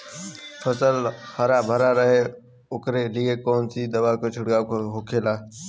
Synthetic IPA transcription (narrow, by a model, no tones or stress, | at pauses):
fəsəlhəɾabʱəɾaɾɐɦe | ʊkɾeliːekoːnsid̪ɐʋaːkot͡ʃʰʊɽɡaːkʰoɦʊkʰeːlaː